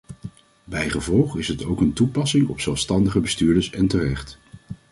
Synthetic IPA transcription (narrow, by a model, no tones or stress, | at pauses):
bɛjχəvɔlˠχɪsɦətowkəntupɑsɪŋɔ̰psɛlˠfstɑndəχəbəstyːɹdəɹsɛntərɛχt